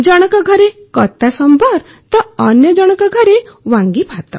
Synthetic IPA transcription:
d͡ʒɔɽ̃ɔkɔɡʱɔɾekɔt̪asɔmbʱɔɾ | t̪ɔːnjɔd͡ʒɔɽ̃ɔkɔɡʱɔɾewãŋɡibʱat̪ɔ̰

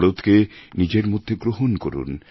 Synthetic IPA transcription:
ɽot̪kenid͡ʑeɾmod̪ʱːeɡɾoɦonkoɾṵn

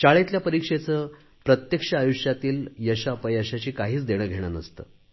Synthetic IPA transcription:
t͡ɕaɭet̪ljapəɾikʂet͡səː | pɾət̪jəkʂəajuʂjat̪iːljəɕapəjəɕat͡ɕiːkaɦiːt͡sd̪eɽ̃əːɡʱeɽ̃a̰nəst̪ə̰ː

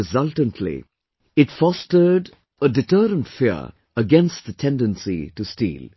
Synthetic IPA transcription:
ɨzʌltə̃ntʰlḭ | ɪtfɔstə˞ɖ | ədɪʈəːɾə̃ndfiə | əɡɛ̃nst̚ðətʰɛ̃ndə̃nsḭʈustḭːl

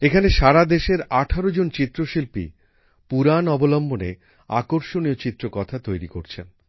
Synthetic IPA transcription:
ekʰaneʃaɾad̪eʃeɾaʈʰaɾod͡ʑont͡ɕit̪ːɾoʃilpḭ | puɾanɔbolɔmbonḛ | a̰koɾʃoniot͡ɕit̪ːɾokɔt̪ʰat̪ojɾikoɾt͡ɕʰen

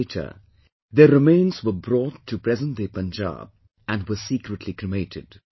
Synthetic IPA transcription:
tʰə̰ | d̪əɾɪmẽɪ̃nzwəbɾɔːtʰːupɾɛzə̃nd̪epə̃nd͡ʒa̰b̚ | æ̃nwəsiːkɾəʈʰlikɾɪmeɪtʰɪ̰d̥

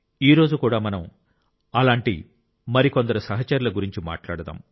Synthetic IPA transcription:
iːɾo̞ːd͡ʒukuːɽaːmɐnɐm | ɐlaːɳʈḭ | mɐɾikond̪ɐɾusɐɦɐt͡ʃɐɾulɐɡuɾiɲt͡ʃima̰ːʈla̰ːɽɐd̪a̰ːm

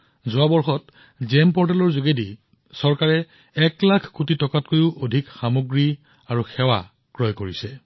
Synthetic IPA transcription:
zʊwabɔɹxɔt | zɛmpɔɹtɛlɔɹzuɡedi | sɔɹkaɹɛ | ɛklakʰkutitɔkatkojʊʔodʱikxamoɡɹi | aɹuxɛwa̰ | kɹɔjkoɹisɛ

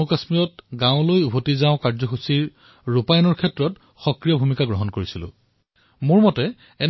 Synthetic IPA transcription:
ukasmijɔt̚ɡãʊ̃lojubʱotizaʊ̃kaɹzɔxusiɹ | ɹupajnɔɹkʰɛtɹɔt | xɔkɹijɔbʱumikaɡɹɔɦɔnkoɹisilʊ̰̃ | mʊɹmɔtɛ | ɛn

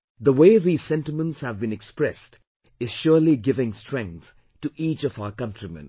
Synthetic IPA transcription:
ðəweɪðiːz̥sɛ̃ntɪmə̃ntshævbĩnɛkspɹɛst | ɪz̥ʃʊliɡɪvɪ̃ŋstɹ̥ɛ̃ŋk̚θ | tuʔiːt͡ʃɔvaʊəkʌ̃ntɹimɛ̰̃n

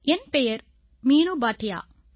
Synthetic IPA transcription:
ɛnpejɐɾ | miːnubaːʈːɪja̰ː

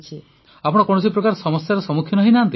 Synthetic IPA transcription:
t͡ʃʰi | apɔɽ̃kɔɽ̃ɔs̬ipɾɔkaɾsɔmɔsjaɾɔsɔmukʰjɔnɔɦĩnaant̪i

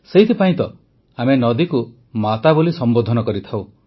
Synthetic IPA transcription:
seɦit̪ʰipaĩt̪ɔ | amenɔd̪iku | mat̪abulisɔmbod̪ʱɔnɔkɔɾit̪ʰaw

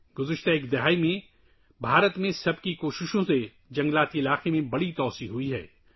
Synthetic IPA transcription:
ɡ̥ʊzəʃt̪aeːkd̪ɪɦaːimẽ | bʱaːɾət̪mẽsɐbkikoːʃɪʃõse | d͡ʒɐ̃ŋɡlaːt̪iɪlaːqemẽbɐɽit̪ɔːsiɦʊiɦɛ̰ː

